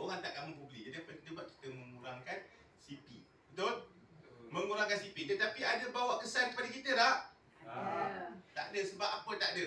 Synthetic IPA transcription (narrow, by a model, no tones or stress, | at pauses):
oɣaŋt̪aʔkamuŋpublid͡ʒadiapəədəbaʔ̚ki̥t̪əməŋuɾaŋkan | sipḭ | don | məŋuɾaŋkansipidət̪apiadəbawaʔkəsankəpadakit̪ədah | t̪a̰ʔdəsəbap̚apət̪aʔdə